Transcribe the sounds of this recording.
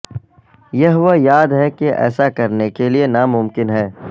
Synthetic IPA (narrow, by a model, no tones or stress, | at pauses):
jɐɦʊʋajaːd̪ɦɛkeʔɛ̰ːsakɐɾnekelienamʊmkɪnɦɛː